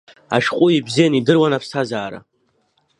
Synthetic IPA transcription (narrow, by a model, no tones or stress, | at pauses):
a̰ʃqʷʼʊibzijanidɨrwanapʰsʰazaːɾa̰